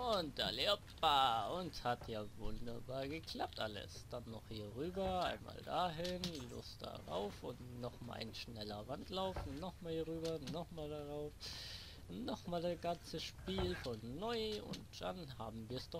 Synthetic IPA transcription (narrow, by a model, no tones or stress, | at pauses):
ʊnt̚d̥alepbaʊnthatjaːvʊ̰ndɐbaːɐɡəkʰl̥ap̚tʔa̰lə̰sd̥anːɔχhiːɐʁyːbɐaɪnma̰ːldaɦɪnlʊ̰std̥a̰ʁa̰ʊfʊntnɔχmaʔa̰ɪnʃnɛlɐvantlaʊfn̩nɔχmaːlhiːʁyːbɐnɔχmaːldaʁaʊf | nɔχmaːldasɡ̥ant͡səʃpiːlfɔnːɔʏʊ̰ntd̥a̰nhaːbm̩viːɐsd̥ɔ